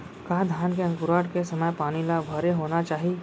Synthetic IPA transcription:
kaːd̪ʱjaːnkeɐ̃ŋkʊɾaːɖkesɐməjpaːnilabʱɐɾeɦoːnat͡ʃaːɦie

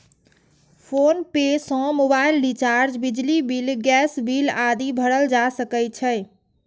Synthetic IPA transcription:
pʰonpesɔ̃mobailɖit͡ʃaɾd͡ʒbid͡ʒlibilɡɛsbilad̪ibʱəɽəld͡ʒasəkət͡ʃʰəj

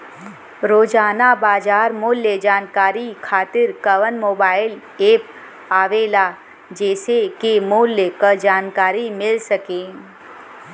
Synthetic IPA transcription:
ɾoːd͡ʒaːnabaːd͡ʒaːɾmʊːljəd͡ʒaːnkaːɾikʰaːt̪ɪɾkəʋənmoːbaːɪl | eːp | aːʋelaː | d͡ʒɛːsekemʊljəkəd͡ʒaːnkaːɾimɪlsəkẽː

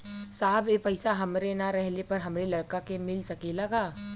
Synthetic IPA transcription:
saːbepɐɪsaɦɐmɾenaɾɛɦlepɐɾɦɐmɾelɐɽkakemɪlsɐkelɐɡaː

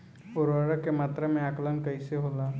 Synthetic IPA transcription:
ʊɾəɾəkemaːt̪ɾemẽaːklənkəɪseɦoːlaː

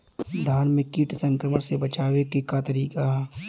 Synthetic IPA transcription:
d̪ʱaːnmẽkiːʈsə̃ŋkɾəməɽ̃sebɐt͡ʃaːwekikat̪ɐɾiːkaɦ

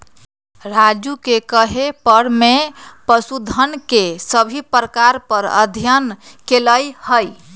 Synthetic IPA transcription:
ɾad͡ʒukekəɦepəɽ̤mepəsud̪ʱənkesəbʱipɾəkaɾpəɾə̰d̪ʱijənkeləjhəj

